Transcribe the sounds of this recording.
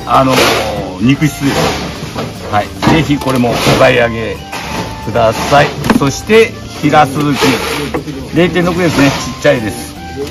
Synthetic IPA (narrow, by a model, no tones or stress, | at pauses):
ano̞ɲ̟ikɯ̟ɕi̥sɨ | haize̞çiko̞ɾe̞mo̞koɡaiaɡe̞ | kɯ̟d̪asaiso̞ɕi̥t̪e̞ | çiɾasɨzɨkʲi | ɾe̞ːt̪eno̞kɯ̟d̪e̞sɨnet͡ɕit͡ɕːaid̪e̞sɨ̥